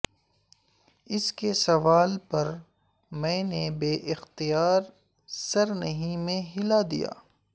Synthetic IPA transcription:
ɪskesɐʋaːlpɐɾ | mɛ̃ːnebeːʔɪxt̪ijaːɾ | sɐɾnɐɦĩmẽɦɪlad̪ḭja̰ː

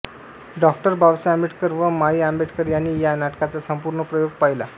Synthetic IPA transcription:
ɖɔk̚ʈəɾbʱawsambiʈʰkəɾʋəmaiambeʈʰkəɾjanːiːjanaʈkat͡sasəmpuɾɳəpɾəjoɡ̚paɦila

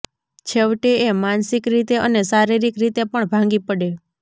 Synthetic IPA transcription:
t͡ʃʰeʋʈeemansikɾit̪eʔənesaɾiɾikɾit̪epəɳbʱãŋ̆ɡipəɽe

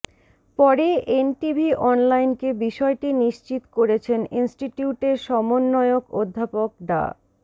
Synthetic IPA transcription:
pɔɾeʔenʈibʱiʔɔnlajnkebiʃɔeʈiniʃt͡ɕit̪koɾet͡ɕʰeninsʈiʈiuʈeɾʃɔmonːɔeokod̪ʱːapok̚ɖa̰

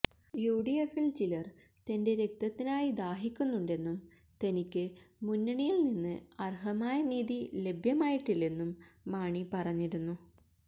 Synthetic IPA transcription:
juːɖijefilt͡ɕilɐr | t̪ɐnde̞ɾe̞k̚t̪ɐt̪ːinaːjid̪aːɦikʲːunːuɳɖe̞nːum | t̪enikʲːɨmunːɐɳijilninːɨɐrɦɐmaːjɐniːðile̞bʱjɐmaːjiʈːilːenːumːaːɳipɐrɐɲːiɾunːu

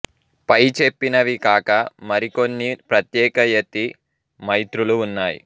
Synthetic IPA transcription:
pɐjt͡ʃe̞pːinɐʋikaːkɐmɐɾiko̞nːipɾɐt̪jɛːkɐjet̪ːi | mɐjt̪ɾuluːnːaːjḭ

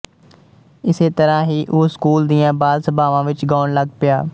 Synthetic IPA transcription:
ɪset̪əɾãːɦiːʔʊːskuːld̪iːãːbaːlsəbʱaːʋãːʋɪt͡ʃɡaːɳləɡ̚pɪjaː

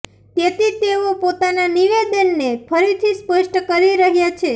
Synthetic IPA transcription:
t̪et̪it̪eopot̪ananiʋed̪ənːepʰəɾit̪ʰispəʃʈəkəɾiɾəɦjat͡ʃʰe

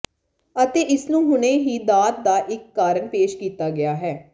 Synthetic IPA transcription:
ət̪eːʔɪsnũːɦʊnẽːɦiːd̪aːt̪̚d̪aːʔɪkːaːɾəɳpeːʃkiːt̪aːɡɪaːɦɛː

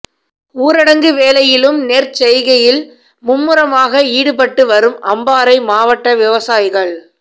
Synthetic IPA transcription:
uːɾɐɽɐŋɡɯʋeːlɐjɪlɯmneːɾt͡ʃɛjɣɐjɪl | mʊmːɯɾɐmaːɣɐiːɽɯpɐʈːɯʋɐɾɯmʔɐmbaːɾɐɪmaːʋɐʈːɐʋɪʋɐsaːjɪɣɐɭ

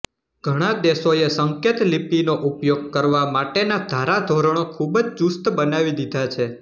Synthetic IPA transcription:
ɡ̥ʱəɽ̃ad̪esoesəŋkʰet̪lipinoʔupjoɡ̚kəɾʋamaʈenad̪ʱaɾad̪ʱoɾəɳ̃okʰubd͡ʒd͡ʒust̪bənaʋid̪id̪ʱat͡ʃʰe

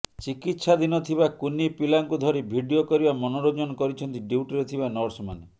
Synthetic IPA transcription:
t͡ʃikit̪ːsʰad̪inɔt̪ʰibakunipilaŋkud̪ʱɔɾibʱiɖiokɔɾibamɔnoɾod͡ʒɔnɔkɔɾit͡ʃʰɔnt̪iɖiʈɾet̪ʰibanɔɾsma̰ne

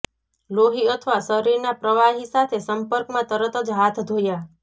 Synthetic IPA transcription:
loɦiət̪ʰəʋasəɾiɾnapɾəʋaɦisat̪ʰesəmpəɾkmãt̪əɾət̪əd͡ʒɦat̪ʰd̪ʱoja

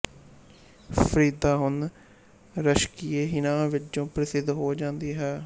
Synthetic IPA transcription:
pʰəɾiːd̪aːɦʊn | ɾəʃkiːeːɦɪnãːʋɪt͡ʃõːpɾəsɪd̪ɦoːd͡ʒãːnd̪iːɦɛː

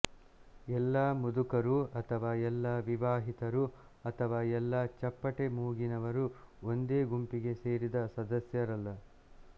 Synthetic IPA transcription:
ɛlːaːmud̪ukɐɾuɐt̪ʰɐʋaːɛlːɐʋiʋaːɦit̪ɐɾu | ɐt̪ʰɐʋaːɛlːɐːt͡ʃɐpːɐʈe̞muːɡinɐʋɐɾuo̞nd̪e̞ːɡumpiɡe̞se̞ːɾid̪ɐsɐd̪ɐsjɐɾɐlːɐ

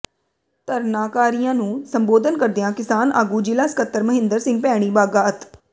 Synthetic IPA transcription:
t̪əɾnaːkaːɾijãːnũːsəmboːd̪ənkəɾd̪ɪjãːkɪsaːna̰ːɡuːd͡ʒilaːsə̥kət̪ːəɾməɦɪ̃nd̪əɾsɪ̃ŋɡ̚pɛːɽ̃iːbaːɡaːət̪

